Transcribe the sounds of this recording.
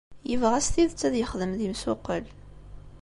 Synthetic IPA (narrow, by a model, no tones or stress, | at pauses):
jəvʁæsθiðt͡sːæðjəχðəmðimsʊqːəl